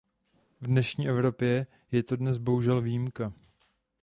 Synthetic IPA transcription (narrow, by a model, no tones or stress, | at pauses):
vdnɛʃɲiːʔɛvɾo̞pjɛ | jɛt̪o̞dnɛsbo̞ɦuʒɛlvijimka